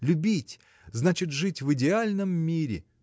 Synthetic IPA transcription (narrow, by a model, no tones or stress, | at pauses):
lʲʊbʲitʲ | znat͡ɕɪt̪ʐɨtʲvɨdʲɪalʲnəmːʲiɾʲɪ̰